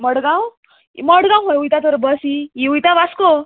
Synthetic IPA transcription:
məɽɡãw | məɽɡãw̃ɦojujt̪at̪əɾbəsiiujt̪aʋasko

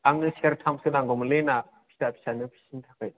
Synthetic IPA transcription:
aŋnɯseɾtʰamsɯnaŋɡɔmɯlena | pʰi̥sapʰi̥sanɯpʰi̥sintʰakaj

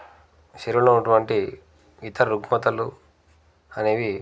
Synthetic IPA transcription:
ʃeɾuunɐʈuʋɐɳʈi | ʋit̪ɐɾuɡmɐt̪ɐlu | ɐne̞ːʋi

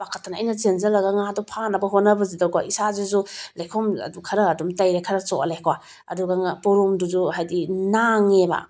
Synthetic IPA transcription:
bakʰatʰanɐ̰jnɐt͡ʃenzɐlɐɡɐŋadɔpʰanɐbɐɦonɐbɐzidawkwa̰isazezulejkʰomɐ̰dukʰɐɾɐːdumtɐjɾekʰɐɾɐt͡ʃoʔalekʰwa | ɐ̰duɡɐŋapoɾumduzuɦajdinaŋeba̰

